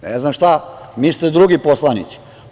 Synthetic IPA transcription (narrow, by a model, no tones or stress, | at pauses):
neznamʃt̪amiːst̪ed̪ɾuɡiposlˠanḭt̪si̥